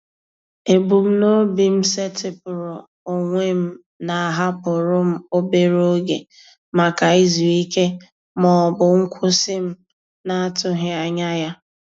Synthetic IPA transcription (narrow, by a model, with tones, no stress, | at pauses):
e˨bu˨m̩˦no˦bi˨m̩˦se˦tɪ˦pʊ˨ɾʊ˨ | o˨ŋʷe˦m̩˦ | na˨a˨ɦa˦pʊ˨ɾʊ˦m̩˦o˦be˦ɾo˦ɡe˨ | ma˨ka˨i˦zu˨i˦ke˦ | mɔ˨bʊ˨ŋ̩˦kʷʰʊ˦sɪ˦m̩˦ | na˦a˦tʊ˦ɦɪ˦a˨ɲa˦ja˦